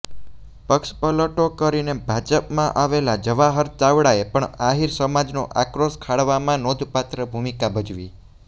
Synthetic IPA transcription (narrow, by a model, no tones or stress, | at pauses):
pəkʃpələʈokəɾinebʱad͡ʒəpmãʔaʋelad͡ʒəʋaɦəɾt̪aʋɽaepəɳaɦiɾsəmad͡ʒno̰ʔakɾoskʰaɽʋamãnod̪ʱpat̪ɾəbʱumikabəd͡ʒʋḭ